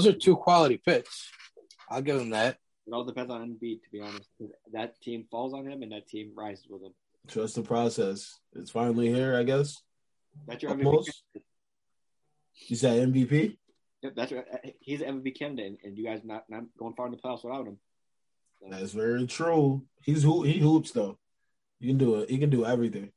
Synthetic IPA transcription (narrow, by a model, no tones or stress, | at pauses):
ðoʊzə˞tʰʉkʰw̥ɑlˠəɾifɪts | ʔaɪlˠɡɛɾɨ̃mðæt̚ | əɾɔlˠdɨpʰɛ̃nzn̩ɛ̃nbitʰəbiɑnɨst̚kʰʌz | ðɨtʰĩɱfɔlˠzn̩ɪ̃mɨ̃nðɨtʰĩmɹaɪzɨzwəðə̃m | dʰɹ̥ʌsðəpʰɹ̥ɑsɛs | ɨtsfãɪ̃nl̩ˠihiɹaɪɡɛs | ðætsjə˞ɛ̃imoʊs | ɨzðɨɾɛ̃ɱbipi | jɛðætsɹaɪhizɛvəbikʰæ̃nɨdɨɨ̃nɨ̰̃njɨɡaɪznət̚nãɪ̃mɡ̥oʊɪ̃ŋfɑ̃nəpʰleɪswəθaʊɾ̚ɨ̃m | ðætsvɛɹitʰɹ̥u | hizhuhihupsðoʊ | hikɨ̃ndəhikɨ̃n̩dɨɛvɹiθɪ̃ŋ